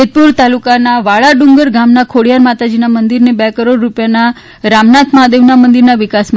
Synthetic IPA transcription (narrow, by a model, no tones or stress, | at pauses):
et̪̚puɾt̪alukanaʋaɭaɖuŋɡəɾɡamnakʰoɽijaɾmat̪ad͡ʒinamənd̪iɾnebɛkəɾoɽɾupjana | ɾamnat̪ʰmad̪eʋnamənd̪iɾnaʋikasm